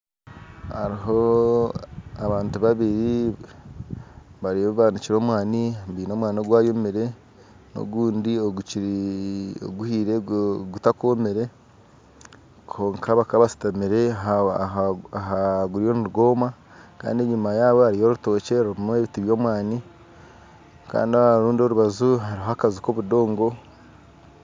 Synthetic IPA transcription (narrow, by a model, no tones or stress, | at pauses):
ha̰ɾiɦo̞ | aβaːntuβaβiɾi | βaɾioβaːniciɾo̞ːmwaːnimbiːno̞ːmwaːnoɡwaːjomiɾe̞ | no̰ɡuːndioɡuci | o̰ɡuhiːɾeɡutakomeɾe̞ | kʰo̞ːŋkʰaβakaβasi̥tamiɾe̞ | aɦaɡuɾio̞nuɾuɡo̞ːma | ka̰ːndieɲimajaːβo̞haɾijo̞ɾuto̞ːce̞ɾmueβitiβjo̞ːmwaːni | ka̰ːndiaɾuːndo̞ɾuβazuɦaɾiɦakaziko̞βudo̞ːŋɡo̞